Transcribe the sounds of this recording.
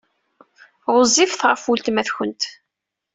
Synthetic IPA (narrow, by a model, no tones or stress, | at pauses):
ʁʊzːifθʁəfult̪mæθçənt̪